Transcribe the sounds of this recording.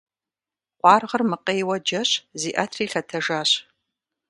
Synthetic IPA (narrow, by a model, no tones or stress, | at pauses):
qʷɑːrʁɐrmɨqejwɐd͡ʒɐɕziːʔɐtʰriːɬɐtʰɐʒaːɕ